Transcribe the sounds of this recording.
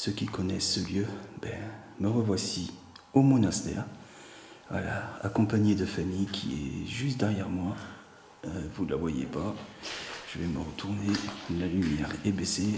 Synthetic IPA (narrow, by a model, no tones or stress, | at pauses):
səkʲikɔnɛsːəljøbɛ | məʁəvwasi | omɔnast̪ɛ̰ːʁ | vwa̰la̰a̰kɔ̃paɲed̪əfamijkʲʰḭɛ̰ʒyst̪d̪ɛʁjɛʁmwa | øvula̰vwajḛpa | ʒ̥əvɛməʁət̪ʰuʁnelalymjɛʁɛbese